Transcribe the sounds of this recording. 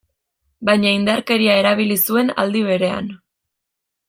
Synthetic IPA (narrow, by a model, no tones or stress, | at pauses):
bajɲaind̪aɾke̞ɾiae̞ɾaβ̞ilisue̞na̰ld̪iβ̞e̞ɾe̞a̰n